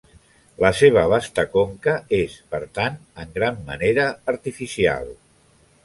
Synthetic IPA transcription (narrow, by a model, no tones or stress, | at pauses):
ləseβ̞əβ̞ast̪əkoŋkəespəɾt̪anəŋɡɾamːə̰neɾəːɾt̪ifisia̰lˠ